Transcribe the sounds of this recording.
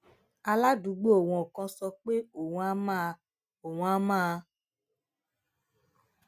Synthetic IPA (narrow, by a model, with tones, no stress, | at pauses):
a˧la˦du˨˧˦ɡ͡bo˦o˨w̃ɔ̃˨o˨kɔ̃˧sɔ˧k͡pe˦o˨wũ˦a˦mã˦˧ | o˨wũ˨˦a˦mãː˦˧